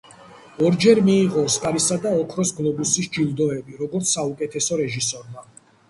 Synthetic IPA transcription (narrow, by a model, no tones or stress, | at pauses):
ɔɾd͡ʒɛɾmiːʁɔskʼaɾisad̪aɔkʰɾɔsɡlˠɔbusisd͡ʒilˠd̪ɔɛbiɾɔɡɔɾt̪ssaukʼɛt̪ʰɛsɔɾɛʒisɔɾma